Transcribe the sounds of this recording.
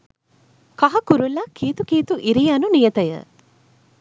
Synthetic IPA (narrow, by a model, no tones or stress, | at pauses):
kɐɦɐkuɾulːɐkʰeːt̪ukeːt̪uʔiɾijɐnunijɐt̪ɐjə̰